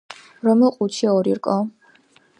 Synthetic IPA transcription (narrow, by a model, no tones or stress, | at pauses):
ɾɔmɛlˠqʼut͡ʃʰiɔɾiɾkʼɔ